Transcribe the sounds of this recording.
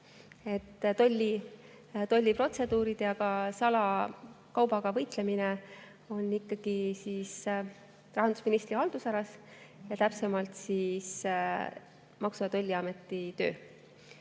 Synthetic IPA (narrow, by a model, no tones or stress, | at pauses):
e̞t̪ːt̪o̞lʲːi | t̪o̞lʲːipro̞t̪se̞d̪̥uːɾid̪̥jɑɡɑsɑlɑ | kɑwbɑɡ̥ɑvɤjt̪le̞mine | o̞nːikˑːɑɡ̥isiːs | rɑɦɑnd̪usminist̪rihɑld̪̥usɑɾɑsjɑt̪æpsemɑlt̪siːs | mɑksuɑt̪o̞lʲːiɑme̞t̪ːˑit̪ø̞̰ː